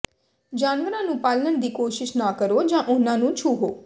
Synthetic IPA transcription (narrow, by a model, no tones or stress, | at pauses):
d͡ʒaːnʋəɾãːnũːpaːlːənd̪iːkoːʃɪʃnaːkəɾoːd͡ʒãːʔʊnãːnũːt͡ʃʰuːɦoː